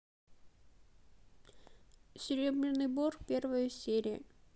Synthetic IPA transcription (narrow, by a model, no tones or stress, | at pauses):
sʲɪɾʲebɾʲɪnɨjborpʲervəjəsʲeɾʲɪjə̰